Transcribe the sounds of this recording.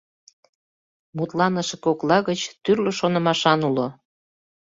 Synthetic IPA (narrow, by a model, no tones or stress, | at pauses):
mut̪lɑnəʃekoklɑɣət͡ɕt̪yrlə̆ʃonə̆mɑʃɑnulo